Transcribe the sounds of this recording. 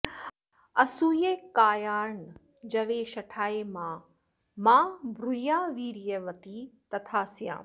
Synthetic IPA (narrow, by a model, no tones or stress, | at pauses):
ɐsujeːkaːjaːɾɳ | d͡ʒɐʋeːʃɐʈʰaːemãː | mãːbʱɾujaːʋiːɾjɐʋɐt̪iːt̪ɐt̪ʰaːsjã̰ː